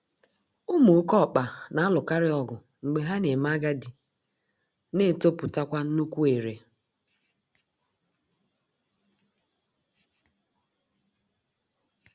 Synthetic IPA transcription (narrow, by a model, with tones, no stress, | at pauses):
ʊ˦mu˨˦kɔ˦˨k͡pa˨na˨a˦lʊ˨ka˦ɾɪ˦ɔ˨ɡʊ˨ | ŋ͡m̩˨ɡ͡be˨ɦa˦ne˨m˦a˦ɡa˦di˨ | ne˦˨to˦pʊ˨ta˦kʷa˦n̩˦nu˦kʷu˦e˨ɾe˨